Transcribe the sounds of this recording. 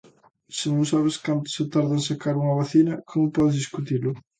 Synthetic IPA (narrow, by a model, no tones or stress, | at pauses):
sɪnõŋsaβɪskant̪ʊ̥sɪt̪aɾðɐŋsakaɾuŋɐβaθinɐkʰomʊpɔðɪzðiskut̪ilʊ